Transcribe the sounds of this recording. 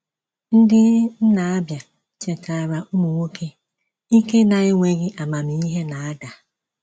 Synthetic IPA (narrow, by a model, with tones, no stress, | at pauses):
n̩˦dɪ˦n̩˦na˨a˦bja˨ | t͡ʃe˨ka˨ɾa˨u˦mo˨ŋʷo˦kʰe˦ | i˦ke˦na˨ɣɪ˦ŋʷe˨ɣɪ˦ʔa˨ma˨mi˨i˦ɦe˦na˨a˦da˨